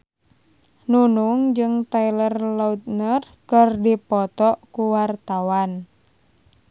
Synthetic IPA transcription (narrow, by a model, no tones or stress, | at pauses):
nunuŋd͡ʒɨŋt̪ailərlaut̪̚nər | kərdipɔt̪ɔʔkuwart̪awan